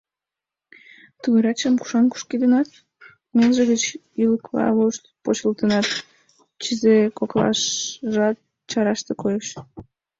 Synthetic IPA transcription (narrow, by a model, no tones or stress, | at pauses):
t̪uɣeɾɑt͡ɕəmku̥ʃɑnku̥ʃkid̪ənɑt̪ | melʒəɣət͡ɕ | iləkβɑ̰βoʃt̪pot͡ɕəlt̪ənɑt̪ | t͡ɕizekoklɑ̰ʃʒɑt̪̚ | t͡ɕɑɾɑʃt̪ekojeʃ